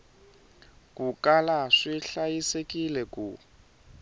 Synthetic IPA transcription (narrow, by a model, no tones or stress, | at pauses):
kʼukalaʂiɬajisekʼilɛku